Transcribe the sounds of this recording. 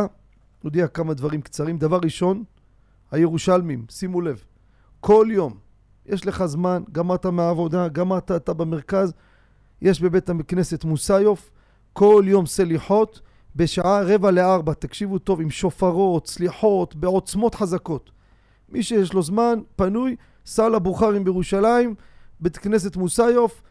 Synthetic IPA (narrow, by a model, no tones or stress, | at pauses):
od̪iakamad̪vaʁimkt͡saʁimd̪avaʁːiʃo̞n | hajeʁuʃalmimsimule̞v | ko̞ljo̞m | jʔeʃle̞χazmanɡamaʁt̪ameaːvo̞d̪aɡamat̪aːt̪abemeʁkaz | je̞ʃbe̞be̞t̪amkne̞set̪musajo̞f | ko̞ljo̞mseliħo̞t̪ | be̞ʃaʕaʁevaleaʁbat̪akʃivut̪o̞vimʃo̞faʁo̞t̪sliħo̞t̪be̞o̞t͡smo̞t̪ħazako̞t̪ | miʃejeʃlo̞zmanpanuj | salabuχaʁimbejeʁuʃalaimbet̪kne̞s̬e̞t̪musajo̞f